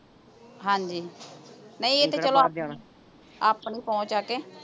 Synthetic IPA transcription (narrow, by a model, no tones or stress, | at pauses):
ɦãːɲd͡ʒiː | nəĩet̪eːt͡ʃəloa | aːpniːpɔ̃ːt͡ʃaːkeː